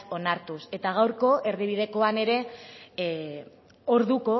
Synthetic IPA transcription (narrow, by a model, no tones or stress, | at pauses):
o̞naɾt̪use̞t̪aɣ̞awɾko̞ʔe̞ɾðiβ̞ið̞e̞ko̞ane̞ɾe̞ | o̞ɾðuko̞